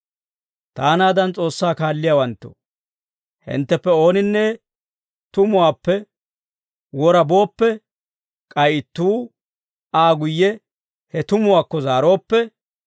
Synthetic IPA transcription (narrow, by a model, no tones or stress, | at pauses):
t̪aːnaːd̪ɐnt͡sʼo̞ːsːaːkaːlːɪjawɐnt̪ːo̰ | hɪ̰nt̪ːɛpːɛo̞ːnɪnːɛ | t̪ʊmʊwaːpːɛ | wɔɾɐbo̞ːpːɛ | kʼɐjɪt̪ːuː | aːɡʊjːɛ | hɛt̪ʊmʊwaːkːɔzaːɾo̞ːpːɛ